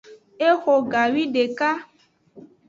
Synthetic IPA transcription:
e˦xo˨ɡa˨wi˦ɖe˨ka˦

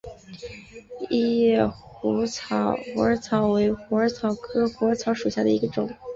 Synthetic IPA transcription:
i˥˧jɛ˥˩xu˧˥t͡sʰɑ˧˥xu˧˥ə˞˧˥t͡sʰɑ˧˥ʊwe˧˥ɪxu˧˥ə˞˧˥t͡sʰɑ˧˥ʊkʰɤ˥xu˧˥ə˧˥t͡sʰɑ˧˥ʊʂu˨˩ɕja˥˩d̪ə̰˩i˧˥ɡə˧ʈ͡ʂʊ˨˩˦ŋ

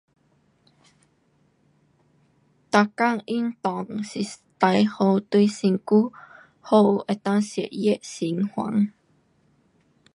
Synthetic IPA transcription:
t̪a˧ka˥˨ŋʔi˥˨nt̪ɔ˨ŋsi˧t̪a˨˧jho˧wt̪u˧jsi˧ŋku˦ | ho˧ʔe˨t̪a˥˧ŋsi˨ə˨ʔjɛ˦˨ʔsi˨˦ŋhwa̰˨˦ŋ

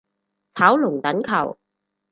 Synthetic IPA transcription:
t͡sʰaː˨˥wlʊ˨˩ŋt̪ɐ˨˥nkʰɐ˨˩w

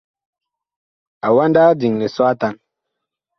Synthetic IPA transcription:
a˨wa˦nda˦di˨ŋle˨swa˦ta˨n

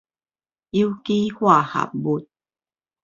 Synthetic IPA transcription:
i˦wki˦hwa˥˨ha̰˨p̚bu˧˦t̚

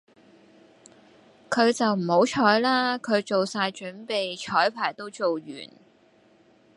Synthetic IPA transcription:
kʰɵ˨˧ɥt͡sɐ˨wm̩˨˩ho˨˥wt͡ʃʰɔː˨˥jlaː˥kʰɵ˨˧ɥt͡so˨wsaː˧jt͡ʃɵ˨˥npe˨jt͡ʃʰɔː˨˥jpʰaː˨˩jt̪o˥wt͡so˨wɥy̰ː˨˩n

